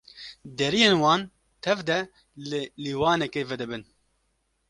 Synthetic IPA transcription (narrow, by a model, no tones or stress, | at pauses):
d̪ɛɾijeːnwɑːn | t̪ʰɛvd̪ɛ | lliːwɑːnɛkeːvɛd̪ɨbɨn